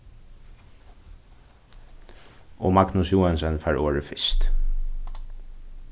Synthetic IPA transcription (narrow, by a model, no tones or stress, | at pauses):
ɔ̰maknʊsjuːɛnsɛnfæːɹoːɹɪfɪst̪